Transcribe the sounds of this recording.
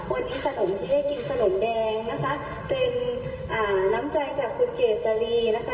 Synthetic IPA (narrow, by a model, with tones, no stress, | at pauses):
kʰuː˧˥˩ət̪ʔi˧kʰa˧no˨˩˦mt̪ʰiː˧˩da˥˩jki˧nkʰa˧no˩˦mdɛː˧ŋna˦˥kʰa˦˥ | pe˧n | ʔaː˨˩na˦˥mt͡ɕa˧jkaː˨˩p̚ʰːu˧nkeː˨˩t̪̚sa˧ɾiː˧na˦˥kʰa˦˥